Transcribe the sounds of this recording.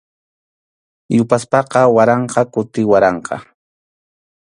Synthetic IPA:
jʊpaspɑqɑwaɾɑɴqɑkʊt̪ɪwaɾɑɴqʰɑ̰

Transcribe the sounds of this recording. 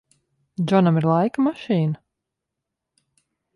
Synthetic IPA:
d͡ʒɔnamiɾlˠajkamaʃiːna

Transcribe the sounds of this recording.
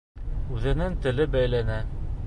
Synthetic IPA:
ʉðɘ̆nɘŋt̪ɘ̆lɘbæjlænæ

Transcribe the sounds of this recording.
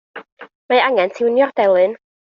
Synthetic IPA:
maaŋɛntʰɪwnjɔrdɛlˠɨn

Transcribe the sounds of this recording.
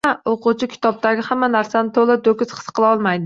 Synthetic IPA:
aoqʊt͡ʃʰɪkʲʰi̥t̪ʰɒb̚t̪aɡʲɪhamːanaɾsanɪt̪ʰolˠɪd̪okʲɪz̥qʰɨ̥sqʰəlˠɒlˠmajd̪ɪ

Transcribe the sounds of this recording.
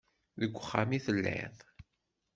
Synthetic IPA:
ðəɡʷːəχːamiθəlːɪ̰ðˤ

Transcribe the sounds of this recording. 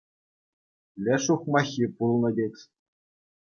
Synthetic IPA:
lʲɘʂuχmɑxʲipulˠnɤ̆dʲekʲsʲ

